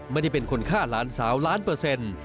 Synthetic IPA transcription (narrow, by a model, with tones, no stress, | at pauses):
ma˧˥˩da˥˩pe˧nkʰo˧nkʰaː˥˩laː˦˥nsaː˩˦wlaː˦˥npɯː˧se˧n